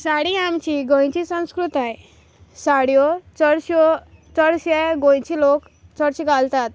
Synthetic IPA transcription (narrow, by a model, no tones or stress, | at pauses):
saɽiamt͡ɕiɡõj̃t͡ɕisə̃w̃skɾut̪aj | saɽjɔt͡səɽɕɔt͡səɽɕɛɡõj̃t͡ɕilok | t͡səɽɕiɡalt̪at̪̚